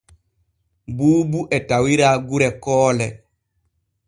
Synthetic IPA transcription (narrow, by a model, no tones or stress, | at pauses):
buːbuʔɛtawiɾaːɡuɾɛkɔːlɛ